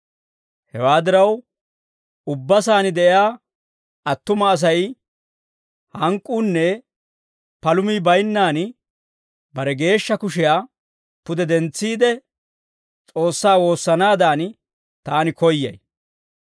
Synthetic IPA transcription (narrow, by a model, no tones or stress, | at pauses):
hɛwaːd̪ɪɾɐw | ʊbːɐs̬aːnɪd̪ɛʔɪjaː | ɐt̪ːʊmɐːs̬ɐj | hɐŋkʼːuːnːɛ | pɐlʊmiːbɐjnːaːn | bɐɾɛɡe̞ːʃːɐkʊʃɪjaː | pʊd̪ɛd̪ɛnt͡sːiːd̪ɛ | t͡sʼo̞ːsːaːwo̞ːsːɐnaːd̪aːn | t̪aːnɪkɔjːɐ̰j